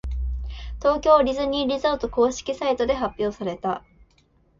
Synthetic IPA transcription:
t̪o̞ːkʲo̞ːɾʲizɨɲ̟iɾʲizat̪oko̞ːɕi̥kʲisait̪o̞d̪e̞ɦapʲjo̞ːsaɾe̞t̪a

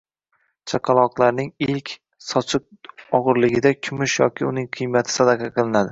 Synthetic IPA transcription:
t͡ʃʰaqʰɑlˠɒqlˠaɾnɪŋɪlkʲ | sɒt͡ʃʰɨq̚ɒʁɨɾlɪɡʲɪd̪akʲʰʊmʊʃjɒ̰kʲʰɪʊnɪŋqʰɨjmat̪ʰɪ̥sad̪aqʰɑqʰɨlˠɪnad̪ɪ

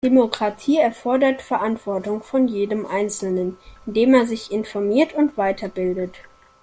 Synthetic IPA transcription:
d̥emokʁ̥atʰiːɛɐfɔɐdɐtfɛɐʔantv̥ɔɐtʊŋfɔnjeːdəmʔaɪnt͡sl̩nənɪndeːmeːɐzɪçɪnfɔɐmiːɐtʊntv̥aɪtʰɐbɪldət

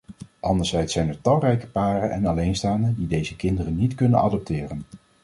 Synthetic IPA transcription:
ʔɑndəɹz̥ɛjtsɛjnɛɹtɑlˠrɛjkə̥paːrənʔɛ̰nɑlejnstaːndədidejzəkɪndərənːitkɵnə̰nɑ̰dɔp̚tɪːrən

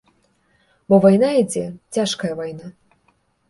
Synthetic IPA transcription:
bɔvajnaid͡zʲɛt͡sʲaʂkɐjɐvajna

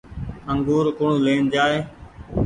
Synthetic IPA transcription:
əŋɡuːɾkʊɳuːleːnd͡ʒaːeː

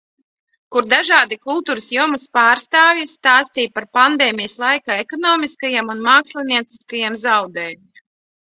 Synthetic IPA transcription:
kuɾd̪aʒaːd̪ikulˠt̪uːɾəsjuɔmuspaːɾst̪aːvjst̪aːst̪iːjpaɾpand̪eːmʲijəslˠajkaːekɔnɔːmiskajamunmaːkslˠiniɛt̪si̥skajamzawd̪ɛːjm

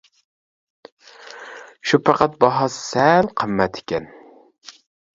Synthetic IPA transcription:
ʃupʰɑqɑt̪̚bɑɦɑsɨ̥sɛlqʰəmːɛt̪ʰɪ̥kʲɛn

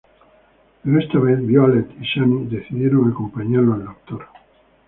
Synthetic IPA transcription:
enest̪aβeθbjoalet̪iʃanid̪eθiðjeɾoŋakompaɲaɾloald̪okt̪oɾ

